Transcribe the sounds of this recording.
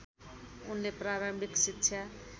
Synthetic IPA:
unlepɾaɾombʱiksitːt͡ʃʰja

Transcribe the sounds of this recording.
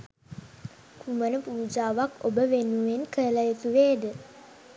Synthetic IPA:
kʰumənəpuːud͡ʒaːʋakobəʋenuʋenkələjət̪uʋeːd̪ə

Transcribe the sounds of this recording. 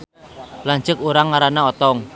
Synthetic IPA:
laɲt͡ʃəkuɾaŋːaɾanaɔt̪ɔŋ

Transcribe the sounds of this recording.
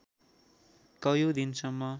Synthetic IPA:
kʌjod̪insʌmːʌ

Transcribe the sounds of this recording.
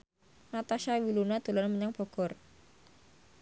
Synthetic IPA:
nat̪aʃawilunad̪̥ṳlanməɲaŋpɔɡ̥ɔr

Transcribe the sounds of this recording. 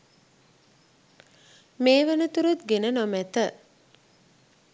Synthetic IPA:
meːʋænət̪uɾut̪ɡenənomæt̪ə

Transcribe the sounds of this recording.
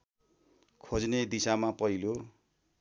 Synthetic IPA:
kʰod͡zned̪isamapʌɦilo

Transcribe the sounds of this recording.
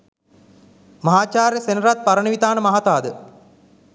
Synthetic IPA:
mɐɦaːt͡ʃaːɾjəsenəɾat̪̚paɾənəʋit̪aːnəmaɦat̪aːd̪ə

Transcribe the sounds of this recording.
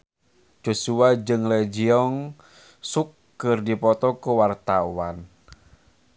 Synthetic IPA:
d͡ʒosuad͡ʒɨŋlɛd͡ʒiɔŋ | sukːɨrdipɔt̪ɔkuwart̪awan

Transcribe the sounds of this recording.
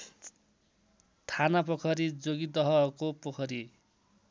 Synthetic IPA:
t̪ʰanapʌkʰʌɾid͡zoɡid̪ʌɦʌkopʌkʰʌɾi

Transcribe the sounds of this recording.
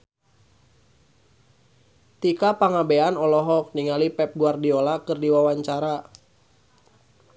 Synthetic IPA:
t̪ikapaŋabeanɔlɔɦɔk̚niŋalipɛp̚ɡuardiɔlakɨrdiwawaɲt͡ʃaɾa

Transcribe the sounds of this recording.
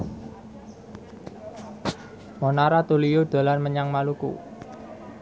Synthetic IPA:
monaɾat̪ulijod̪̥a̤lanməɲaŋmalukṵ

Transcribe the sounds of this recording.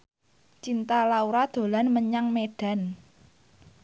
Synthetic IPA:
t͡ʃint̪alauɾad̪̥o̤lanməɲaŋmeɖ̥a̤n

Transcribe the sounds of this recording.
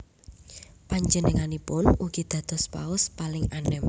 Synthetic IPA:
paɲd͡ʒənəŋanipʊnuɡ̥id̪̥ä̤d̪̥ɔ̤spaʊspalɪŋanɪm

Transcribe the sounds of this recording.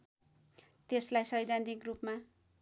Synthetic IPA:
t̪eslajsʌjd̪ʱant̪ikrupma

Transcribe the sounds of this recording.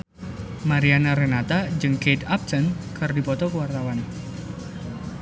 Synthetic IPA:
maɾianaɾɛnat̪ad͡ʒɨŋked̪ap̚sənkɨrdipɔt̪ɔkəwart̪awan

